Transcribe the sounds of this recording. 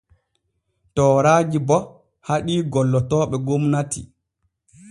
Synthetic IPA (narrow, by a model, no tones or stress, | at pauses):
tɔːɾaːd͡ʒibɔ | haɗiːɡɔlːɔtɔːɓɛɡomnatḭ